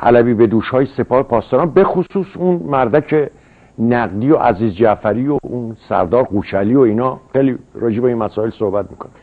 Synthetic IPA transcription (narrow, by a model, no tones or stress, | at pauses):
ʔæ̰læbiːbe̞d̪uːʃhɒːjese̞pʰɒːhepʰɒːst̪ɒɾɑnbe̞xosuːsunmæɾd̪æcʰe | næɡd̪iːjo̞ʔæ̰ziːzd͡ʒæfæɾiːoʔunsæ̰ɾd̪ɒːɾɢuːt͡ʃʰæliːoiːnɒːxejliɾɒːd͡ʒebeinmæsɒːelsohbæt̪̚mikʰone